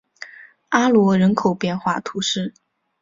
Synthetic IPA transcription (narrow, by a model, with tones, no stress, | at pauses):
a˥lwɔ˧˥ɻə˧˥nkʰo˨˩ʊpjɛ˥˧nxwa˥˩t̪ʰu˧˥ʂɻ̩˥˩